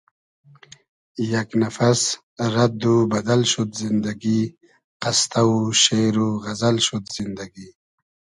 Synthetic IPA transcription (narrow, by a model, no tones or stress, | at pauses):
jaknafas | ɾad̪ubad̪alʃud̪zɪnd̪aɡi | qast̪auʃeɾuɣazalʃud̪z̥ɪnd̪aɡi